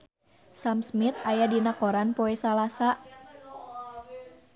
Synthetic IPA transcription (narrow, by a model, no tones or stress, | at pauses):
samsmit̪ajadinakoɾanpoɛsalasaʔ